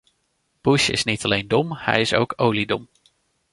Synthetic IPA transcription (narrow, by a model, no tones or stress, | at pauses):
b̥uʃɪ̰snitɑlejndɔmhɛ̰jɪso̰wkʰowlidɔm